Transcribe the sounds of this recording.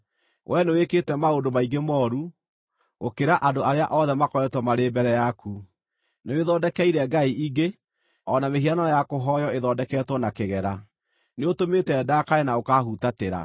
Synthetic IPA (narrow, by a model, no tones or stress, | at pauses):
wʔɛnewekeːtɛmaondomaiŋɡemɔːɾu | okeɾaʔadoaɾeaʔɔðɛmakɔɾɛtwɔmaɾembɛɾɛjaku | neweðɔːdɛkɛiɾɛɡaiʔiɡe | ɔnameɦianaajakoɦɔjɔeðɔdɛkɛːtwɔnakeɣɛɾa | neotomeːtɛːdakaɾenaokaːhutateɾa̰